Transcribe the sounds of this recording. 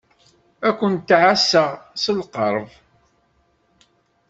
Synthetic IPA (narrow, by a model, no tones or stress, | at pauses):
ækʷːənt̪ːʕasːəʁsəlqəɾˤv